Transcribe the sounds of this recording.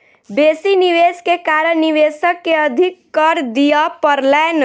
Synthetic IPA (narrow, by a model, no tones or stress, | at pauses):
beːsiniʋeːskekaːɾəɾniʋeːsəkːeəd̪ʱɪkːəɾd̪ijapəɾlɛːn